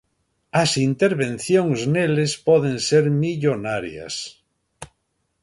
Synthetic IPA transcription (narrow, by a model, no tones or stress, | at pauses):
asint̪eɾβẽnθjõŋznelespɔðẽnseɾmiʎonaɾja̰s